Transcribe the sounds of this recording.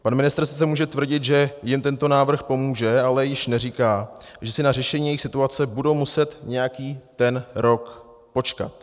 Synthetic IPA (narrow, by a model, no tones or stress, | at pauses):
panmɪnɪst̪ɾsɪ̥t͡sɛmuːʒɛt̪vr̩ɟɪt̪ʒɛjɪmt̪ɛnt̪o̞naːvr̩xpo̞muːʒɛalɛjɪʃnɛriːkaːʒɛsɪnar̝ɛʃɛɲiːjɛjixsɪt̪uat͡sɛbudo̞wmusɛt̪ɲɛjakiːt̪ɛnɾo̞k | po̞t͡ʃka̰t̪